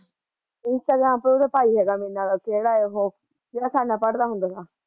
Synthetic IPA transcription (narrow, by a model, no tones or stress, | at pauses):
ɪnsʈaːɡɾãːmpəɾoɾapaːiɦɛːɡamenːãakeːɽaːeɦoː | keasaːnapəɽd̪aːɦʊ̃nd̪aːsaː